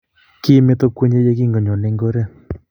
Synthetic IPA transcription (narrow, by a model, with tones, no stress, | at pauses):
ki˦me˦t̪o˦kwe˦ɲe˦d͡ʒe˦k̬i˦ŋɡo˨ɲo˨ne˨˦ŋɡo˦ɾe˦